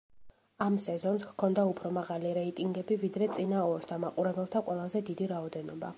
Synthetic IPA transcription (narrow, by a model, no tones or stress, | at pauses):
amsɛzɔnskʰɔnd̪aupʰɾɔmaʁaliɾɛit̪ʼiŋɡɛbivid̪ɾɛt̪sʼinaɔɾsd̪amaqʼuɾɛbɛlˠt̪ʰaqʼwɛlˠazɛd̪id̪iɾaɔd̪ɛnɔba̰